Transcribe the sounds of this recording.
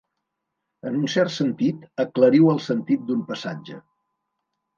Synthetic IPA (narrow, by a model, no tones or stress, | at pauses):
ənunsɛrt̪sənt̪it̪əkləɾiwəlˠsənt̪it̪̚d̪umpəsad͡ʒə̰